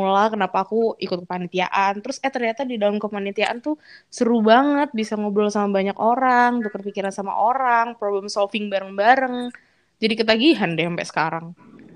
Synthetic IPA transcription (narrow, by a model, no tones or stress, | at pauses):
ulakənapaːkuikʊt̪̚kəpanit̪ia̰ʔant̪əɾʊsat̪ərɲat̪adidalamkəpanit̪iaʔant̪usəɾubaŋət̪̚bisaŋobɔlsamabaɲakoɾaŋbəkərpikiɾansama̰ʔoɾaŋpɾobləmsɔlfɪŋbaɾəŋbaɾəŋ | d͡ʒadikit̪aɡiɦandɛəmpɛ̰ʔsə̥kaɾaŋ